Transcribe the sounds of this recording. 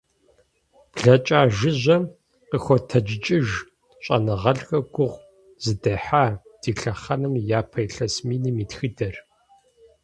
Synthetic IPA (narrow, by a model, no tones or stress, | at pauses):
b̥ɮɐt͡ʃʼaːʒɪʑʷɐm | qəxʷɔtʰɐd͡ʒɪt͡ʃʼɪʒ | ɕʼɐ̰nɨʁɐɮxʼɐɡʷʊʁʷ | z̥ɨdɐħaːd̥iːɬɐχɐnɨmjaːpʰɐjɬɐsmiːniːmiːtxɨdɐr